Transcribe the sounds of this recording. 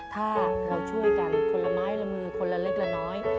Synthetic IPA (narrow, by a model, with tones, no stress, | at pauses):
t̪ʰaː˧˩kʰaː˧˩wt͡ɕʰu˧˥˩ə˨kaː˨˩mː˧˩kʰo˧nla˧˩maː˦˥jla˧˩mɯː˧˩kʰo˧nla˧˩le˦˥˩k̚la˧˩nɔː˦˥j